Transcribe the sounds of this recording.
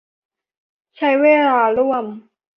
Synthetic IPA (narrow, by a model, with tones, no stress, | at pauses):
t͡ɕʰa˦˥jweː˧laː˧ɾu˥˩əm